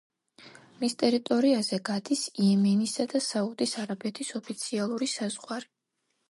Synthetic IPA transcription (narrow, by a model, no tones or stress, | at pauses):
mist̪ʼɛɾit̪ʼɔɾiazɛɡad̪isiɛmɛnisad̪asaud̪isaɾabɛt̪ʰisɔpʰit̪sʰialˠuɾisazʁwaɾi